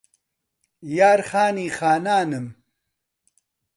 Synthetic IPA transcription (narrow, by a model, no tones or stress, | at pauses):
jaːɾχaːniːxaːnaːnɨm